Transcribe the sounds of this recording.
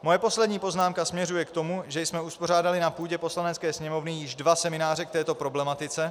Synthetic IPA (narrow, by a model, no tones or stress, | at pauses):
mo̞jɛpo̞slɛdɲiːpo̞znaːmkasmɲɛrujɛkt̪o̞muʒɛjsmɛuspo̞r̝aːdalɪnapuːɟɛpo̞slanɛt͡skɛːsɲɛmo̞vnɪjɪʒdvasɛmɪnaːrɛk̚t̪ɛːt̪o̞pɾo̞blɛmat̪ɪt͡sɛ